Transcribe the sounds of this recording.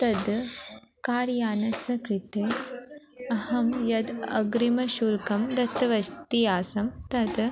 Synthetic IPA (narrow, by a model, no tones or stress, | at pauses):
t̪ɐd̪ | kaːɾjaːnɐsɐkɾit̪e | ɐhɐmjɐd̪ɐ̰ɡɾimɐʃuːlkɐmd̪ɐt̪ːɐʋɐʃt̪ijaːsɐmt̪ɐd̪